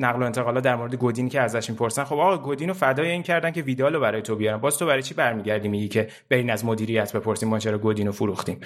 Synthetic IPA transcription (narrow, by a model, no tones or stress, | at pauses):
næɣloe̞nt̪ʰeɣɒːlɒt̪̚d̪æɾmo̞ɾe̞d̪e̞ɡod̪iːnicʰeæzæʃmiːpʰo̞ɾsænχo̞bɒːɣɒɡod̪iːnofæd̪ɒːjeiːncʰæɾd̪æncʰeviːd̪ɒːlobæɾɒːjet̪ʰobijɒɾæmbɒːz̥t̪ʰobæɾɒjt͡ʃʰibæɾmiːɟæɾd̪iːmiɟicʰe̞ | b̥eɾiːnæzmo̞d̪iːɾijæt̪ʰbe̞pʰo̞ɾsiːmːɒːt͡ʃʰeɾɒɡod̪iːnofuɾuxt̪im